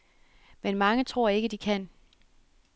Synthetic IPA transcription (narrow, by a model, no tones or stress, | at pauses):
menmɑ̈ŋət͡sʰʁo̝ɐ̰e̝ɡ̥əd̥ikʰæn̰